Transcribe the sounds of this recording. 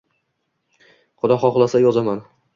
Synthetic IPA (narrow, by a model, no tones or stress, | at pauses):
qʊd̪ɒχɒχlˠasajɒzaman